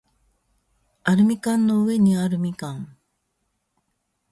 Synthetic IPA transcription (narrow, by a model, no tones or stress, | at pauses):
aɾɯ̟mʲikãnːo̞ɯe̞ɲiaɾɯ̟mʲikãŋ